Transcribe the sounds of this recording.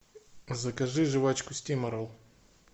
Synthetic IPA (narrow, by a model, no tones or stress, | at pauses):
zɐkɐʐɨʐɨvat͡ɕkʊsʲtʲimɐɾolˠ